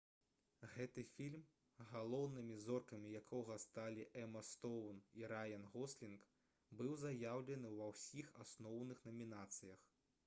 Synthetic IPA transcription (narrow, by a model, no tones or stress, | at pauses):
ɣɛt̪ɨfʲilʲm | ɣalˠɔwnɨmʲizɔrkɐmʲijakʰɔɣɐst̪alʲiʔɛmɐst̪ɔwniɾajɐnɣɔslʲink | bɨwzajawlʲɛnɨwvɐwsʲixasnɔwnɨxnɐmʲinat̪sɨjɐx